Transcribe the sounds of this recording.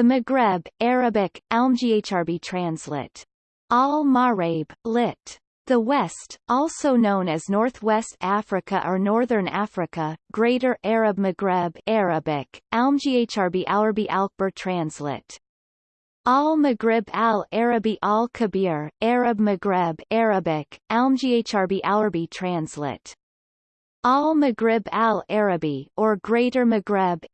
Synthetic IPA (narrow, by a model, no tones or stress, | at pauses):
ðɨmɨɡɹɛbɛɹɨbɪkɛlˠmd͡ʒieɪt͡ʃɑɹbitʰɹ̥æ̃nslɪ̰t | ɔlˠmɑɹeɪb̥lɪt | ðəwɛstɔlˠsoʊnõʊ̃nɨznɔɹθwɛstæfɹɨkəʔə˞nɔɹðə̃˞næfɹɨkəɡ̥ɹeɪɾə˞ʔɛɹɨb̚mɨɡɹɛbɛɹɨbɪkɛlˠmd͡ʒieɪt͡ʃɑɹbiʔaʊə˞biʔælˠk̚b̥ə˞tʰɹ̥æ̃nslɪ̰ | ɔlˠmɨɡɹɪbælˠɛɹɨbiʔɔlˠkʰɨbɪɹɛɹɨb̚mɨɡɹɛbɛɹɨbɪkɛlˠmd͡ʒieɪt͡ʃɑɹbiʔaʊə˞bitʰɹ̥æ̃nslɪ̰t | ɔmɨɡɹɪbælˠɛɹɨbiʔə˞ɡɹeɪɾə˞mɨɡɹɛb